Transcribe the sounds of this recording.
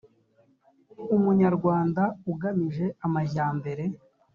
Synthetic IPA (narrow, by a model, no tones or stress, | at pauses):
umuɲaɾɡwaːndauɡamiʒe̞amajaːmbe̞ɾe̞